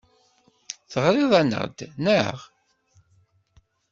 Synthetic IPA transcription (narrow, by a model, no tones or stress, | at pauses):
θəʁɾiðˤænə̰ʁd̪nəʁ